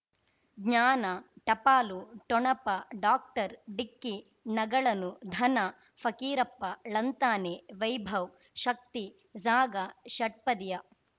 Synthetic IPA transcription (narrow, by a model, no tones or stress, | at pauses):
ɡɲaːnɐʈɐpaːluʈɔɳɐpɐɖaːk̚ʈɐɾɖikːi | nɐɡɐɭɐnud̪ʱɐnɐ | fʰɐkiːɾɐpːɐɭɐnt̪aːneːʋɐjbʱɐw | ʃɐk̚t̪i | d͡ʒaːɡɐʃɐʈ̚pɐd̪jɐ